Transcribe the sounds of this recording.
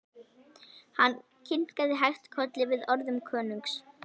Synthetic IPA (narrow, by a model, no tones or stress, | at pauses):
hanː | cʰɪn̥kaðɪɦajht̪kʰœt̪lɪvɪðɔɾðʏmkʰœːnʏŋks